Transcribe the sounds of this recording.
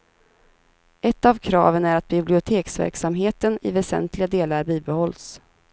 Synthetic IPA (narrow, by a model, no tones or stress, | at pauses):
ʔɛt̪ːavkʰɾɑ̰ːvənæɾat̪̚bɪblɪʊt̪ʰeːksvæ̰ɾksamɦeːt̪ənɪvɛsɛ̰nt̪lɪɡad̪eːlaɾbiːbɛhɔlːs